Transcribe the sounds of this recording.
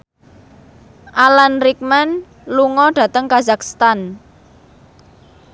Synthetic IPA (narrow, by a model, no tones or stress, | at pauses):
ʔalanrik̚man | luŋɔɖ̥ä̤t̪əŋkazakst̪an